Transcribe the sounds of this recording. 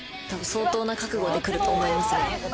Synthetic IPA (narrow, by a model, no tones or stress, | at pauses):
t̪abɯ̟̃so̞ːt̪o̞ːnakakɯ̟ɡo̞d̪e̞kɯ̟ɾɯ̟t̪o̞ːmo̞imasɨo